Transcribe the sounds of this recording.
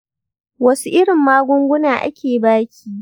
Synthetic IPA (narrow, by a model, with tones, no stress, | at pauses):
wɐ˦su˦ʔɪ˦ɽɪ˨mːaː˦ɡʷʊ˦ŋɡʷʊ˦naː˨ʔa̰˦kʲeː˨baː˦kʲiː˦